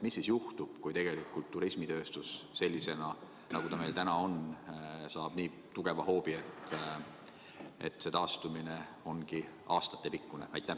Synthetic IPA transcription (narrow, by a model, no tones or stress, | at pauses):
misːisjuht̪ub̥kujt̪e̞ɡ̥e̞likːˑult̪ːuɾismit̪ø̞ːst̪usse̞lʲːise̞nɑ | nɑɡ̥ut̪ɑme̞jlt̪ænɑo̞nsɑːb̥niː | t̪uɡ̥e̞vɑɦo̞ːb̥iet̪ˑ | ḛt̪ːˑse̞t̪ɑːst̪umineo̞nɡi | ɑːst̪ɑ̥t̪ːˑe̞pikːˑunḛɑjt̪ːˑæ